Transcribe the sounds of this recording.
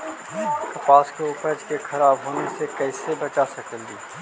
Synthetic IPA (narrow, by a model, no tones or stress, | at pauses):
t̪ɐpaːskeʊpɾd͡ʒkexʰɐɾaːbɦoːnesekɛːɪsebɐt͡ʃasɐkəlɡiː